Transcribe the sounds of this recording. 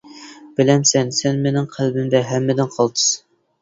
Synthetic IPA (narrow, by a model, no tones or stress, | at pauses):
b̥ɪlɛmsɛnsɛnmenɪŋqʰælbɪmd̪ɛɦɛmːɪd̪ɪnqʰɑlˠt̪ʰɨ̥s